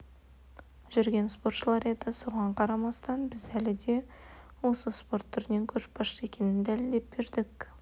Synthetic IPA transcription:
ʒ̥ʏɾɡʲe̞nspo̞rt̪ʃəlˠɑɾe̞d̪ɪso̞ʁɑɴqʰɑɾɑmɑst̪ɑnbɪzælɪd̪e̞ | wo̞səspo̞rt̪ʰːʏɾɪne̞ŋkʲʰɵɾʃbɑʃe̞kʲe̞nɪnd̪ælɪld̪e̞p̚be̞ɾd̪ɪk

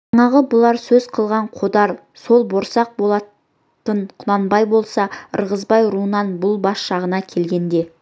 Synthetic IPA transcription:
ɑɴɑʁəbʊlˠɑɾsɵzqʰəlˠʁɑɴqʰo̞d̪ɑɾ | so̞lˠbo̞ɾsɑq̚bo̞lˠɑ | t̪əɴqʰʊlˠɑnbɑjbo̞lˠsɑə̰ɾʁəzbɑjɾuənɑnbʊlˠbɑsʃɑʁənɑkʲʰe̞lɡʲe̞nd̪e̞

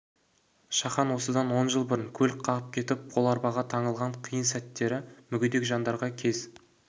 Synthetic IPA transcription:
ʃɑχɑnwo̞səd̪ɑnwo̞nʒəlˠbʊɾɪŋkʲʰɵlqʰɑʁəp̚kʲʰe̞t̪ɪp̚bʰolˠɑɾbɑʁɑt̪ʰɑɴəlˠʁɑɴqʰijənsæt̪ːe̞ɾɪmʏɡʲɪd̪e̞kʒɑnd̪ɑɾʁɑkʲʰe̞z

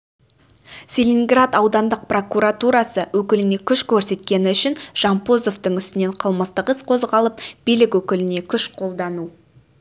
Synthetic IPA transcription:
sʲelʲinɡrat̪ɑwd̪ɑnd̪əq̚pro̞kuɾat̪uɾɑsəwɵkʲɪlɪne̞kʲʰʏʃkʲʰɵɾse̞t̪kʲe̞nɪʏʃɪnʒ̥ɑmpo̞zo̞ft̪əɴʏst̪ɪne̞ɴqʰəlˠməst̪əqəsqʰo̞zʁɑlˠəp̚b̥ilɪkwɵkʲɪlɪne̞kʲʰʏʃqʰo̞lˠd̪ɑnu

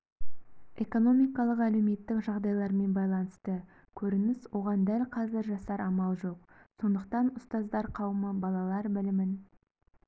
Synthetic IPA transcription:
e̞ko̞no̞mijkɑlˠəqæle̞wme̞t̪ːɪkʒɑʁd̪ɑjlˠɑɾme̞nbɑjlˠɑnəst̪ə | kʲʰɵɾɪnɪswo̞ʁɑnd̪ælqʰɑzɪɾʒɑsɑɾɑmɑlˠʒo̞q̚so̞nd̪əq̚t̪ɑnʊst̪ɑzd̪ɑɾqʰɑwəməbɑlˠɑlˠɑɾbɪlɪmɪn

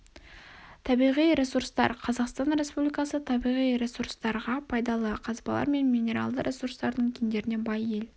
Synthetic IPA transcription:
t̪ʰɑbijʁijɾe̞suɾst̪ɑ̰ɾqʰɑzɑqst̪ɑnɾʲe̞spublijkɑsət̪ʰɑbijʁijɾe̞suɾst̪ɑɾʁɑpʰɑjd̪ɑlˠəqʰɑzbɑ̰lˠɑ̰ɾme̞nmʲijne̞ɾɑ̰lˠd̪əɾʲʔe̞suɾst̪ɑɾd̪əɴkʲʰend̪e̞ɾɪne̞bɑje̞l

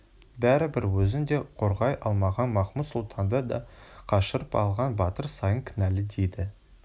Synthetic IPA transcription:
bæɾɪbɪɾwɵzɪnd̪e̞qʰo̞ɾʁɑjʔɑlˠmɑʁɑnmɑχməsʊlˠt̪ʰɑnd̪ɑd̪ɑqʰɑʃəɾəpɑ̰lˠʁɑnbɑt̪əɾsɑjəŋkʲʰɪnælɪd̪ejd̪ɪ

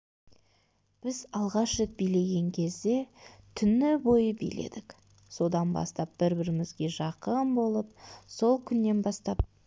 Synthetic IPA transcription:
b̥ɪzɑlˠʁɑʃʒet̪̚bijle̞ɡʲe̞ŋkʲʰe̞zd̪e̞t̪ʰʏnɪbo̞jəbḭjlḛd̪ɪk | so̞d̪ɑnbɑ̰st̪ɑp̚b̥ɪɾbɪɾɪmɪzɡʲe̞ʒɑqəmbo̞lˠəp̚so̞lˠkʲʰʏnːe̞nbɑst̪ɑp̚

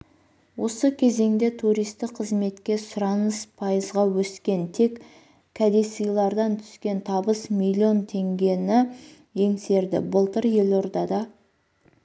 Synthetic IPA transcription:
wo̞səkʲʰe̞ze̞ŋd̪e̞t̪ʰuɾijst̪ɪqqʰːəzme̞t̪kʲe̞sʊɾɑnəspʰɑjəzʁɑwɵskʲe̞nt̪ʰe̞kʲ | kʰːæd̪e̞sɨjlˠɑɾd̪ɑnt̪ʰʏ̥skʲe̞nt̪ʰɑbəsmʲilʲio̞nt̪ʰe̞ŋɡʲe̞nɪ | je̞ŋse̞ɾd̪ɪ̰bəlˠt̪əɾje̞lo̞ɾd̪ɑd̪ɑ

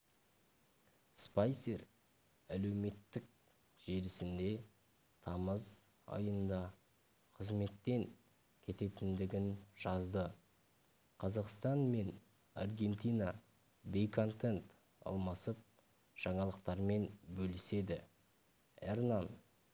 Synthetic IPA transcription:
spajse̞ɾ | æle̞wme̞t̪ːɪk̚ | ʒ̥e̞ɾɪsɪnd̪e̞ | t̪ʰɑməz | ɑ̰jənnd̪ɑ | qʰəzme̞t̪ːe̞ŋ | kʲʰe̞t̪e̞t̪ɪnd̪ɪɡʲɪnʒ̥ɑzd̪ə | qʰɑzɑqst̪ɑnme̞n | ɑ̰rɡʲe̞nt̪ijnɑ | be̞jkʰo̞nt̪ent̪ | ɑ̰lˠmɑsəp̚ | ʒ̥ɑɴɑlˠəqt̪ɑɾme̞nbɵlɪse̞d̪ɪ | ernan

